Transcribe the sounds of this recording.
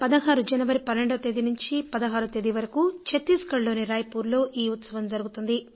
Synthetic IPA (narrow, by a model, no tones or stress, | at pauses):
pɐd̪ɐɦaːɾud͡ʒɐnɐʋɐɾipɐnːeɳɖɐt̪ed̪inuɲt͡ʃipɐd̪ɐɦaːɾut̪ed̪iʋɐɾɐkut͡ʃet̪ːiːskɐɭlo̞ːniɾaːjɐpuːɾlo̞ːʔiːut̪sɐʋɐmd͡ʒɐɾuɡut̪und̪i